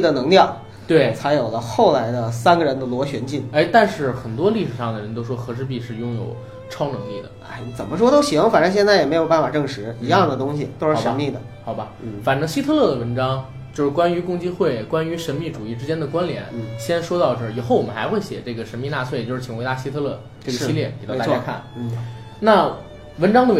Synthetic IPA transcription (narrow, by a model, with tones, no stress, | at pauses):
d̪ə˩nɤ˧˥ŋljɑ˥˩ʊ | t̪we˥˩ɪt͡sʰa˧˥ɪjo˨˩ʊlə˦xo˥˩ʊla˧˥ɪd̪ə˧sa˥nɡə˨ɻə˧˥nd̪ə˧lwɔ˧˥ɕɥɛ˧˥nt͡ɕi˥˩n˧˥t̪a˥˧nʂɻ̩˥˩xə˨˩nt̪wɔ˥li˥˩ʂɻ̩˨˩ʂɑ˥˩ŋd̪ə˩ɻə˧˥nt̪̬o˥ʊʂwɔ˥xɤ˧˥ʂɻ̩˧˥pi˥˧ʂɻ̩˥˩jʊ˥ŋjo̰˨˩ʊ | ʈ͡ʂʰɑ˥ʊnɤ˧˥ŋli˥˩d̪ə̰˩a˥˩n˧˥t͡sə˨˩mə˦ʂ̬wɔ˥t̪o˥ʊɕi˨˩xwɑ˥˩ŋfa˨˩nʈ͡ʂɤ˥ŋɕjɛ˥˧nt͡sa˥˩jɛ˨˩me˧˥ɪjo˨˩ʊba˥˩nfa˨˩ʈ͡ʂɤ˥˩ŋʂɻ̩˧˥i˧˥jɑ˥˩ŋd̪ə˩t̪ʊ˥ŋɕi˨˩t̪o˥ʊʂɻʂə˧˥nmi˥˩d̪ə˩xɑ˨˩ʊbɐ˦˩fa˨˩nʈ͡ʂɤ˥ŋɕi˥t̪ʰɤ˥˧lɤ˥˩d̪ə˩wə˧˥nʈ͡ʂɑ˥ŋ | t͡ɕjo˥˧ʂɻ̩˥˩kwa˥ny˧˥kʊ˥˧ŋt͡ɕi˥xwe˥˩ɪkwa˥ny˧˥ʂə˧˥nmi˥˩ʈ͡ʂu˨˩i˥˩ʈ͡ʂɻ̩˥t͡ɕjɛ˥nd̪ə˨kwa˥nljɛ˧˥nɕjɛ˥nʂwɔ˥t̪ɑ˥˧ʊʈ͡ʂɤ˥˩i˨˩xo˥˩ʊwɔ˨˩mə˦nxa˧˥xwe˥˩ɪɕjɛ̰˨˩ʈ͡ʂɤ˥˩ɡə˩ʂə˧˥nmi˥˧na˥˧t͡sʰwe˥˩t͡ɕjo˥˧ʊʂɻ̩˥˩t͡ɕʰi˨˩ŋwe˧˥ɪt̪a˥ɕi˥t̪ʰɤ˥lɤ˥˧ | ʈ͡ʂɤ˥˩ɡə˩ɕi˥ljɛ˥˩ke˨˩t̪ta˥˩a˥kʰa̰˥˩n̩˥˩ | na˥˩ | wə˧˥nʈ͡ʂɑ˥ŋd̪ə˧w